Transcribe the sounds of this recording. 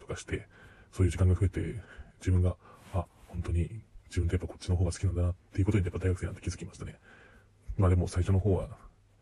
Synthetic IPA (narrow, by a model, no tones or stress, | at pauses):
t̪okaɕi̥t̪e̞soːjɯ̟d͡ʑikãŋɡaɸɯ̟e̞t̪e̞d͡ʑibɯ̟̃ŋɡaahõnt̪o̞ɲ̟id͡ʑ̥ibɯ̟nt̪ojapːako̞̥t͡ɕːino̞ɦoːɡasɨ̥kʲinãnd̪anat̪ːe̞jiɯ̟ko̞t̪oɲijapːad̪aiɡakeːnat̪ːekʲizɨ̥kʲimaɕi̥t̪ane | maːd̪e̞mo̞saiɕo̞noho̞ːβa̰